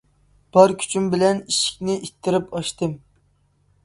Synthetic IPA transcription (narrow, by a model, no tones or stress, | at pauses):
b̥ɑɾkʲʰy̥t͡ʃʰymbɪlɛniʃɪ̥kʲnɪʔit̪ʰːɪɾɪpʰɑʃt̪ɨm